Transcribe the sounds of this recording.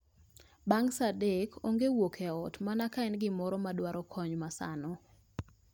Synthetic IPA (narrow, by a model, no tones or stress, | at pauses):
baŋsadekʰoŋɡewokʰɛɔtmanakaɛnɡɪmɔɾɔmadwaɾɔkʰɔɲmasa̰nɔ